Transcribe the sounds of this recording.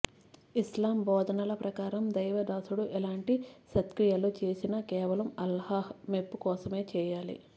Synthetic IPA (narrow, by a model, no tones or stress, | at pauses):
islaːmbɔːd̪ʱɐnɐlɐpɾɐkaːɾɐmd̪ɐjʋɐd̪aːsuɽuʔɛlaːɳʈiʃɐt̪kɾijɐlut͡ʃe̞ːsinɐkɛːʋɐlɐmɐlhahmepːukɔːsɐme̞ːt͡ʃɛːjaːlḭ